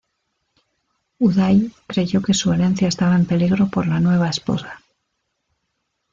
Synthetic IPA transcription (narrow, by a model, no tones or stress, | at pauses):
uðajkɾe̞ʝo̞ke̞sue̞ɾẽ̞n̟θjae̞st̪aβae̞mpe̞liɣɾo̞po̞ɾlanwe̞β̞aespo̞̰sḁ